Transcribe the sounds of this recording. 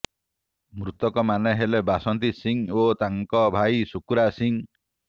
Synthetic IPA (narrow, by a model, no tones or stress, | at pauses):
mɾut̪ɔkɔmaneɦelebasɔnt̪̬isiŋot̪aŋkɔbʱajsukuɾasiŋ